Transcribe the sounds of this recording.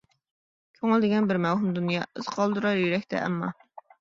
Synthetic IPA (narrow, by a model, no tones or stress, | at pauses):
kʲʰøŋɪld̪ɪɡʲɛnbɪɾmɛwɦumd̪unjɑ̰ːʔɨz̥qʰɑlˠd̪uɾɑɾjyɾɛkʲt̪ʰɛ̰ʔɛ̰mːɑ̰